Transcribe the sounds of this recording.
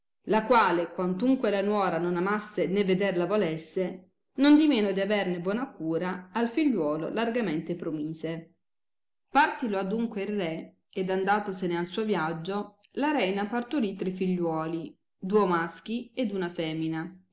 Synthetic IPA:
lakwaːlekwant̪uŋkwelanwɔːɾanonamasːenevːed̪erlavolesːe | nond̪imeːnod̪iavernebwɔːnakuːɾaːlfiʎːwɔːlo̰larɡament̪epɾomiːze | part̪iload̪uŋkweilre | ed̪and̪aːt̪osenealsuːovjad͡ʒːo | laɾɛjnapart̪uɾit̪ːɾefiʎːwɔːli | d̪uomask̟ied̪unafɛːmina

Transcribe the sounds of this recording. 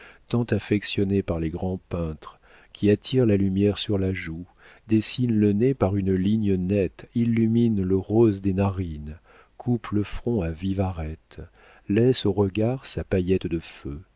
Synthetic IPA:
t̪ɑ̃t̪afɛksjɔnepaʁleɡʁɑ̃pɛ̃t̪χ | kʲʰiat̪ʰiʁlalymjɛʁsyʁlaʒu | d̪esinlənepaʁynliɲənɛt̪ilːyminləʁozd̪enaʁin | kʰupləfχɔ̃avivaʁɛt̪ | lɛsoʁəɡaʁsapajɛt̪d̪əfø

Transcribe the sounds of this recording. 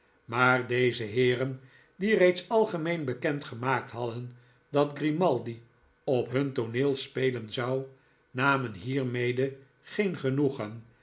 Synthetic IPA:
maːɹdejzəɦɪːrən | direjtsɑlˠχəmejnbəkɛntχəmaːk̚tɦɑdən | dɑtɡrimɑlˠdi | ɔpɦɵntoneːlˠspejlənzɑw | naːmənɦiːɹmejdə | χejnχənuχən

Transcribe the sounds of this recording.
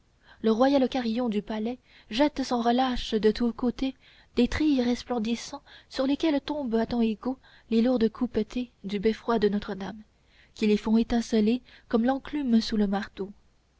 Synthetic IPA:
ləʁwajalokaʁijɔ̃d̪ypalɛ | ʒɛt̪sɑ̃ʁəlaʃd̪ət̪ukot̪e | d̪̥et̪χijʁɛsplɑ̃d̪isɑ̃syʁlekʲɛlt̪ɔ̃bat̪ɑ̃eɡo | leluʁd̪kʰupt̪ʰed̪ybɛfχwad̪ənɔt̪χəd̪am | kʲilefɔ̃et̪ɛ̃səlekɔmlɑ̃klymsuləmaʁt̪o

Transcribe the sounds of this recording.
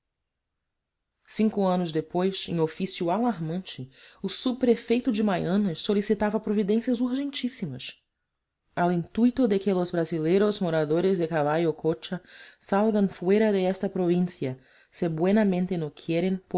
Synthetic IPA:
sĩŋkʊɐ̃nʊzd̪epojsẽj̃ofisjʊalaɾmɐ̃nt͡ʃɪʊsubpɾefejt̪ʊd͡ʒɪmajɐ̃nɐʃsolisit̪avɐpɾovid̪ẽsjɐzuɾʒẽnt͡ʃisimɐs | awĩnt̪ujt̪ʊd̪ɪkɪlʊzbɾazilejɾʊzmoɾad̪oɾɪzd̪ɪkavajʊkʰot͡ʃɐsalɡɐ̃nfuejɾɐd̪ɪɛʃt̪ɐpɾovĩsiɐ | sebwenɐmẽnt̪enokʰieɾẽnp

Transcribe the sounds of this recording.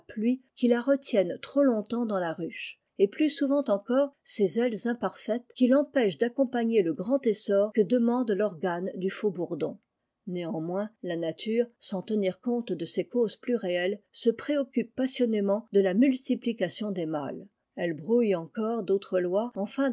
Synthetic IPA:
aplɥikʲilaʁət̪jɛnt̪χolɔ̃t̪ɑ̃d̪ɑ̃laʁyʃ | eplysuvɑ̃t̪ɑ̃kɔːʁsezɛlzɛ̃paʁfɛt̪kʲilɑ̃pɛʃd̪akɔ̃paɲeləɡʁɑ̃t̪esɔʁkəd̪əmɑ̃d̪lɔʁɡand̪yfobuʁd̪ɔ̰̃ | neɑ̃mwɛ̃lanat̪ʰyːʁsɑ̃t̪əniʁkɔ̃t̪d̪əsekozplyʁeɛlsəpχeɔkʲypːasjɔnemɑ̃d̪əlamylt̪iplikasjɔ̃d̪ema̰l | ɛlbʁujɑ̃kɔʁd̪ot̪χəlwaɑ̃fɛ̃

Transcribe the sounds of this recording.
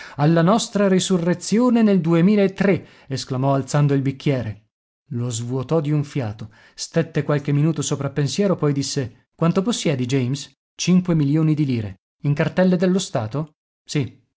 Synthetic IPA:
alːanɔst̪ɾaɾisurːet̪sːjoːneneld̪uemiːlaet̪ːɾe | esklamɔalt̪sand̪oilbikʰːjɛːɾe | lozvuot̪ɔd̪iuɱfja̰ːt̪o | st̪et̪ːekwalk̟emːinuːt̪osopɾapːensjɛːɾopɔjd̪isːe | kwant̪oposːjɛːd̪id͡ʒɛjms | t͡ʃiŋkwemiljoːnid̪iliːɾḛ | iŋkart̪ɛlːed̪elːost̪aːt̪o | si

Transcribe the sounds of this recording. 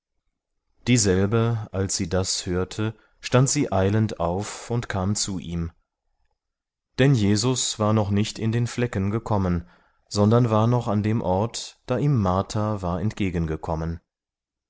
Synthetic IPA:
d̥iːzɛlbəʔalsz̥iːdashøːɐtʰə | ʃtantz̥iːʔaɪləntaʊfʊntkʰaːmt͡suːʔiːm | d̥ɛnjeːzʊsv̥aːɐnɔχnɪçtʰɪndeːnflɛkənɡəkʰɔmən | z̥ɔndɐnvaːɐnɔχandeːmʔɔɐtd̥aːʔiːmːaɐtʰavaːɐɛntɡ̥eːɡən̩ɡəkʰɔmən

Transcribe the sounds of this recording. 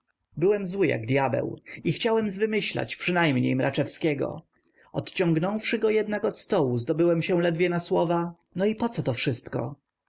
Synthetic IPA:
bɘwɛmzwɘja̰ɡd̪ʲjabɛ̰wixt͡ɕawɛmzvɘmɘɕla̰t͡ɕpʂɨnajmɲḛjmɾʔat͡ʂɛfskʲɛɡɔ̰ | ɔt̪t͡ɕɔŋɡnɔ̃wfʂɘɡɔjɛd̪nakɔt̪st̪ɔwuzd̪ɔbɘwɛmɕɛ̃lɛd̪vʲjɛnaswɔva | nɔipɔt̪sɔt̪ɔfʂɘst̪kɔ̰

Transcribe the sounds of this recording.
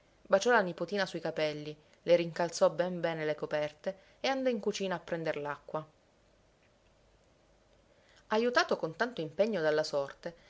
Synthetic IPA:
bat͡ʃɔlanipot̪iːnasuikapɛlːi | leɾiŋkalt̪sɔbɛmbɛːnelekopɛrt̪e | eand̪ɔiŋkut͡ʃiːnaːpːɾɛnd̪eɾlakːwa | ajut̪aːt̪okont̪ant̪oimpeɲːod̪alːasɔrt̪e

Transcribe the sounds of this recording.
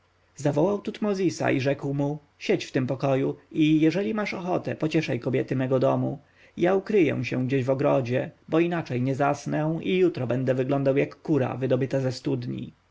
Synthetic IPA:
zavɔwawt̪ut̪mɔzʲisa̰ʔiʐɛkwmu | ɕɛt͡ɕft̪ɘmpɔkɔjuʔijɛʐɛlʲimaʂɔxɔt̪ɛpɔt͡ɕɛʂajkɔbʲjɛt̪ɘmɛɡɔd̪ɔmu | jaukɾɘjɛ̰̃ɕɛ̃ɡd͡ʑeʑvɔɡɾɔd͡ʑɛbɔinat͡ʂɛjɲɛzasnɛw̃ijut̪ɾɔbɛnd̪ɛvɘɡlɔ̃nd̪awjakːuɾa̰vɘd̪ɔbɘt̪azɛst̪ud̪ɲḭ

